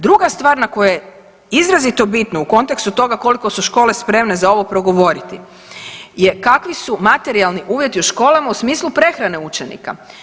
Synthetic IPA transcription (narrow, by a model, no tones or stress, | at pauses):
d̪ɾuɡast̪ʋaːɾnako̞joje | izɾazit̪obit̪nouko̞nt̪e̞kst̪ut̪o̞ɡako̞liko̞suʃko̞ːle̞spɾe̞mne̞zao̞ʋo̞pɾo̞ɡo̞ʋo̞ɾit̪ḭ | je̞kakʋisumat̪e̞ɾialˠniʔuːʋje̞t̪iuʃko̞ːlamausmiːslˠupɾe̞xɾane̞ut͡ʃe̞nḭka̰